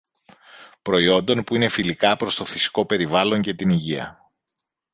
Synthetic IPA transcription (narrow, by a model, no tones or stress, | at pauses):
pɾo̞io̞nd̪o̞npuine̞filikɐpɾo̞st̪o̞fisi̥ko̞pe̞ɾivɐlo̞ɲce̞t̪iniʝiɐ̰